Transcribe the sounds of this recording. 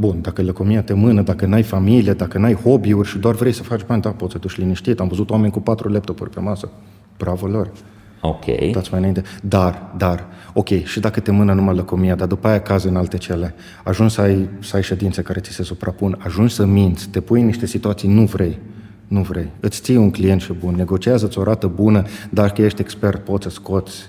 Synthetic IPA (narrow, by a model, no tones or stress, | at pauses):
bund̪akələkomiat̪e̞mɨnəd̪akənajfamilijed̪akənajho̞biurʲʃid̪oarvɾe̞jsəfat͡ʃʲbanʲd̪apot̪səd̪uʃʲliniʃt̪it̪amvəzut̪oame̞nʲkupat̪ɾule̞p̚t̪opṵrʲpe̞masə | b̥ɾavolorʲ | okʲʰḛjt̪otsʲmajnaint̪ed̪ard̪aro̞kʲe̞jʃid̪akət̪e̞mɨnənumajləkomijad̪ard̪upaːjakazeɨnalt̪e̞t͡ʃe̞le̞ | aʒunʃsəajsəajʃe̞d̪int̪se̞kaɾesi̥se̞supɾapunaʒunʃsəmint̪sʲt̪e̞pujniʃt̪e̞sit̪uat̪sijnuvɾe̞j | nuvɾe̞jɨt̪sʲt̪sijuŋklijent̪ʃebunːe̞ɡo̞t͡ʃiazəɨt̪sʲo̞ɾat̪əbunəd̪arkəje̞ʃt̪ʲekspe̞rt̪̚po̞t̪səsko̞t̪sʲ